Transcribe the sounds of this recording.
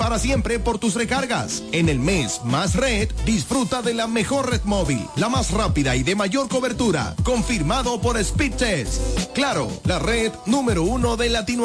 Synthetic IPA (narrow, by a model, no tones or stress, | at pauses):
paɾasje̞mpɾe̞po̞ɾt̪us̬re̞kaɾɣa̰se̞ne̞lme̞smasred̪d̪isfɾut̪aðe̞lame̞xo̞ɾreðmo̞βilːamasrapiðaiðe̞maʝo̞ɾko̞βe̞ɾt̪uɾa̰ko̞ɱfiɾmaðo̞po̞ɾespit͡ʃesklaɾo̞̰lareðnũme̞ɾo̞uno̞ðe̞lat̪inw